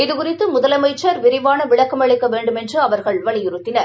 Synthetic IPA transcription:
ɪðɯkʊrɪt̪ːɯmʊðɐlɐmɐɪt͡ʃːɐɾʋɪɾɪʋaːnɐʋɪɭɐkːɐmɐɭɪkːɐʋeːɳɖɯmɛndrɯɐʋɐɾɣɐɭʋɐɭɪjɪɾɯt̪ːɪnɐɾ

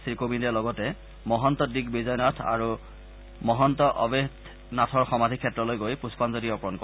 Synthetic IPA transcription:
sikobindɛlɔɡɔtɛ | mɔɦɔntɔdikbizɔjnɔtʰa̰ɹu | mɔɦɔntɔʔɔbed | natʰɔɹxɔmadʱikʰːɛtːɹɔlojɡojpuspɔnzodiɔpɔɹɔnkɔ

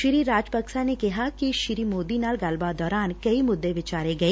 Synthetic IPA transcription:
ʃɾiːɾaːd͡ʒpəksanekɪɦakiʃɪɾimoːd̪inaːlɡɐlbaːd̪ɔːɾaːnkɐimʊd̪ːeʋɪt͡ʃaːɾeɡɐeː

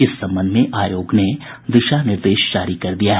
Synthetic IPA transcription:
ɪsːɐ̃mbə̃nd̪ʱmẽʔaːjoːɡne | ʋ̪ɪʃanɪɾd̪eːʃd͡ʒaːɾikɐɾd̪ijaɦɛ

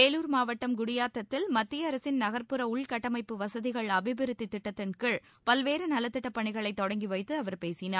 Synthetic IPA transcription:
eːluːɾmaːʋɐʈːɐmɡʊɽɪjaːt̪ːɐt̪ːɪlmɐt̪ːɪjɐɐɾɐsɪnnɐɣɐɾpɯɾɐʊɭkɐʈːɐmɐɪpːɯʋɐsɐðɪɣɐɭɐbɪbɪɾɯt̪ːit̪ːɪʈːɐt̪ːɪnkɯɭ | pɐlʋeːɾɯnɐlɐt̪ːɪʈːɐpːɐɳɪɣɐɭɐɪt̪ːɔɽɐŋɡiʋɐɪt̪ːɯɐʋɐɾpeːsɪnaː

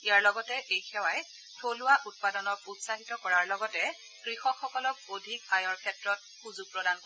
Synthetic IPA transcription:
ijaɹlɔɡɔtɛʔejxɛwaj | tʰolʊwaʔut̚padɔnɔɹutsaɦitɔkɔɹaɹlɔɡɔtɛ | kɹixɔkxɔkɔlɔk̚odʱikajɔɹkʰɛtɹɔt̚xuzuɡ̚pɹɔdankoɹ

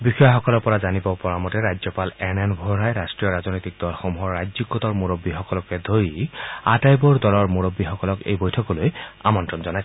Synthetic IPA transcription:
bixɔjaxɔkɔlɔɹpɔɹazanibɔpɔɹamɔtɛɹajzɔpalɛnɛnbʱɔɹajɹastɹijɔɹaznojt̪ik̚d̥̪ɔlxɔmuɦɔɹːad͡ʒziɡɔtɔɹmoɹobːixɔkɔlɔkɛd̪ʱojatajbuɹdɔlɔɹmoɹobːixɔkɔlɔkḛjbojtʰɔkɔloja̰mɔntɹɔnzɔnajs

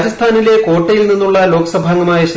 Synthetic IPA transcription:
ɾɐst̪ʰaːnile̞ko̞ːʈːɐjilninːuɭːɐlo̞ːkɐsɐbʱaːŋɡɐmaːjɐɕɐ

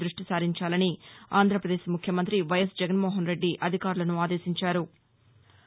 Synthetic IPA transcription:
d̪ɾuʂʈisaːɾiɲt͡ʃaːlɐniaːnd̪ʱɾɐpɾɐd̪eːʃmukʰjɐmɐnt̪ɾiʋɐjɐsd͡ʒɛɡɐnmoːɦɐnɾe̞ɖːiʔɐd̪ʱikaːɾulɐnuaːd̪e̞ːsiɲt͡ʃaːɾu

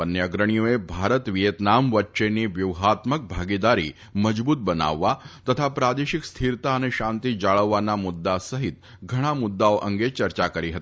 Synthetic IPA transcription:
pənjəɡɾəɳ̃ijoebʱaɾət̪ʋijət̪namʋəʈːʃeniʋjuʋɦat̪mək̚bʱaɡid̪aɾḭ | məd͡ʒbuːt̪̚bəna̰ʋːat̪ət̪ʰapɾad̪eɕikst̪ʰiɾt̪aəneʃant̪id͡ʒaɭəʋːanamud̪ːasəɦit̪ | ɡʱəɽ̃amud̪ːaoʔəŋɡet͡ɕəɾt͡ʃakəɾiɦət̪ii̥

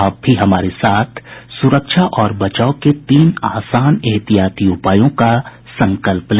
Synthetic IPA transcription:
aːp̚bʱiɦɐmaːɾesaːt̪ʰsʊɾəkʃʰaʔɔːɾbɐt͡ʃaːoket̪iːnaːsaːneɦt̪ijaːt̪iʊpaːjõka | sɐ̃ŋkəlpl

